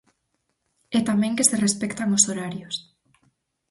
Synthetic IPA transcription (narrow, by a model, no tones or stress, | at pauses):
ɛt̪amɛ̃ŋkeserespɛkt̪aŋosoɾaɾjos